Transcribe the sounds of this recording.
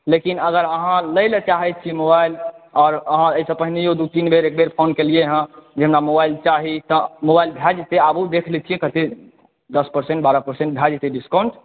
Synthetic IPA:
lekinəɡəɾəɦãləɪlt͡ʃaɦɛt͡ʃʰimobailɔːɾəɦãəisə̃pəɦinejod̪ut̪inbʱeɾek̚bʱeɾpʰonkelieɦə̃d͡ʒemnamobailt͡ʃaɦit̪ɔmobailbʱjad͡ʒt̪eabud̪ekʰlɛt͡ʃʰijekət̪e | d̪əspəɾsẽɳʈ̚baɾapəɾsẽɳʈ̚bʱad͡ʒt̪eɖiskaʊɳʈ

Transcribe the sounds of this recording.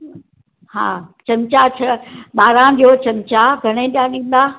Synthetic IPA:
ɦa̰ːt͡ɕɐmt͡ɕat͡ɕʰɐɓaːɾãɗot͡ɕɐmt͡ɕaɡʱɐɽ̃ẽɗijaɗĩːn̆d̪aː

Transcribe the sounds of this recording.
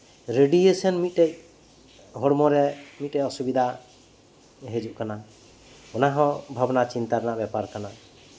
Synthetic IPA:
ɾeɖiesɔnmit̪̚ʈeʔ | ɦɔɾmɔɾɛmit̪̚ʈeʔɔsubid̪ʱa | ɦed͡ʒuʔkana | ɔnaɦɔ̃bʱabnat͡ʃint̪aɾnaʔbɛpaɾkana

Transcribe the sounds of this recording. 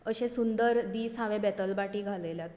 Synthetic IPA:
əɕẽsund̪əɾd̪iːsãʋẽbɛt̪əlbaʈiːɡʱalela

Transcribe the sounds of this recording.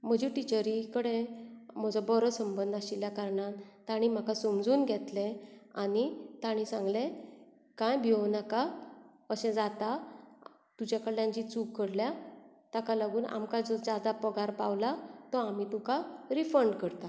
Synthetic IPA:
m̤əd͡ʑiʈit͡ɕəɾikəɽẽm̤əd͡zɔbɔɾəsəmbənd̪ʱaɕiljakaɾɳat̪aɽ̃im̤akasəmd͡zuːnɡʱɛt̪lẽanit̪aɽ̃ĩsãŋɡlẽ | kãjbʱionaka | əɕɛ̃d͡zat̪a | t̪ud͡ʑakəɽljãɲt͡ɕit͡sukkːəɽlja | t̪akalaɡuːnʔa̰mkad͡zɔd͡zad̪apəɡaɾpawlat̪əamit̪ukaɾifəɳɖkəɾt̪a

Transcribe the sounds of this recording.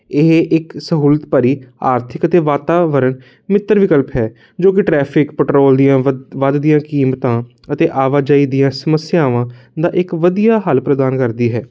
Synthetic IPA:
ɪɦʔɪksəɦuːlət̪pəɾiːa̰ːɾt̪ʰɪkət̪eːʋaːt̪aːʋəɾən | mɪt̪ːəɾʋɪkəlpɦɛː | d͡ʒoːkɪʈɾɛːpʰɪkpəʈɾoːld̪ijãːʋad̪d̪ijãːkiːmt̪ãː | ət̪eːʔaːʋaːd͡ʒaːiːd̪ijãːsəməsjaːʋãː | d̪aːʔɪkʋəd̪ijaːɦəlpɾəd̪aːnkəɾd̪iːɦɛː

